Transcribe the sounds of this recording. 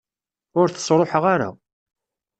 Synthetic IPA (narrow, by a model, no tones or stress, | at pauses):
ʊɾθə̥sˤɾˤoħəʁaɾa̰